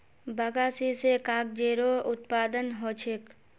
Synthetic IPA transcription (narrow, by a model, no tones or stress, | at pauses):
bəɡaːsisekaːk̚d͡ʒeːɾoʊt̪paːd̪ənɦoːt͡ʃʰek